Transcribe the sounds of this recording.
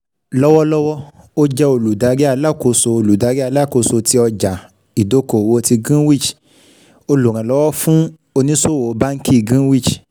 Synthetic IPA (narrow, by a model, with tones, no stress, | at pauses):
lɔ˦wɔ˦lɔ˦wɔ˦ | o˦d͡ʒɛ˦o˧lu˨da˨˧˦ɾi˦a˧˦la˦˨ko˧so˧o˧lu˨da˨˦ɾa˦˧˦la˦˨ko˧so˧ti˧ɔ˧d͡ʒa˨ | i˨do˦ko˨wo˧˦˧ti˧ɡũ˦wi˦˨d͡ʒ | o˧lu˨ɾ̃ã˨lɔ˦wɔ˦fũ˦ | o˧nĩ˦so˦˨wo˨˦ba˦ŋ̩˦ki˦˨ɡĩ˦wi˦˨d͡ʒ